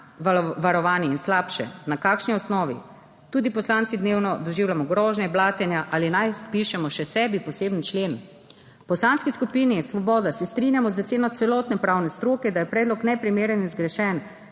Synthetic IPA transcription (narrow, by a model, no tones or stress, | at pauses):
ʋaɾɔʋaːniinslaːpʃɛ̰nakakʃniɔsnɔːʋḭ | t̪uːd̪ipɔslant̪sid̪newnɔd̪ɔʒiːwlamɔɡɾɔːʒnɛblaːt̪ɛnjaʔalinajpiʃɛmɔʃɛsɛːbipɔseːbnt͡ʃleːn | pɔslanskiskupiːnisʋɔbɔːd̪asɛst̪ɾinjamɔzat̪seːnɔt̪sɛlɔːt̪nɛpɾaːwnɛst̪ɾoːkɛd̪ajɛpɾɛːd̪lɔknɛpɾimeːɾɛnizɡɾɛʃɛn